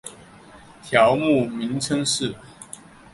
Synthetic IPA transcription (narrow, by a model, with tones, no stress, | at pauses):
t̪ʰjɑ˨˦ʊmu˥˨mi˨˦ŋt͡sʰə˥ŋʂɻ̩˥˨